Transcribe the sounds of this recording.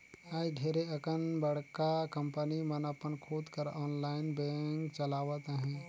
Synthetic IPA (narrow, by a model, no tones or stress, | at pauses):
aːjɡʱeːɾeɐkənbəɽ̤kakəmpənimənəpənkʰoːd̪kəɾɔːnlaːɪnbẽŋkt͡ʃəlaːʋət̪ɦɛ̃ː